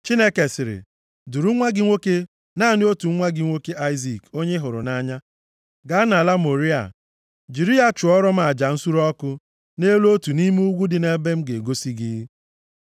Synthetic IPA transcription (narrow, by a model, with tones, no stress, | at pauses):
t͡ʃi˦ne˦ke˨sɪ˨ɾɪ̰˨ | du˨ɾu˦ŋʷa˦ɡɪ˦ŋʷo˦ke˦ | na˦˨nɪ˦o˦tu˨ŋ̩˦ŋʷa˦ɡɪ˦ŋʷo˦ke˦ʔa˦ɪ˦zi˨ko˦ɲe˦ɦʊ˨ɾʊ̰˨na˦ɲa˦ | ɡa˦na˨la˦mo˨ɾi˦a̰˨ | d͡ʒi˨ɾi˦a˨t͡ʃʊ˨ɔ˦ɾɔ˦m̩˦a˨d͡ʒa˨n̩˦su˦ɾɔ˦kʊ˦ | ne˦lo˦tu˨ni˦m˦u˦ɡʷu˦dɪ˨ne˦be˦m̩˦ɡe˨ɡo˦si˦ɡɪ˦